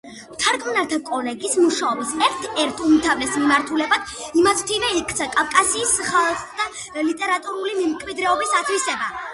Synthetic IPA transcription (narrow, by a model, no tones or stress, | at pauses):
t̪ʰaɾkʰʼnaɾt̪ʰakʼɔlɛɡismuʃaɔbsɛɾt̪ʰɛɾt̪ʰumt̪ʰavlɛsmimaɾt̪ʰulɛbad̪̥imasʰmt̪ʰivɛikʰt̪sʰakʼavkʼasiːsχalˠd̪a | lit̪ʼɛɾat̪ʼuɾulimɛmkʰʼmid̪ɾɛɔbisat̪ʰwisɛba